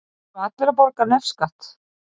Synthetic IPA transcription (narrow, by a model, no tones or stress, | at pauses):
ɔat̪lɛɾapɔɾkanɛfskaht̪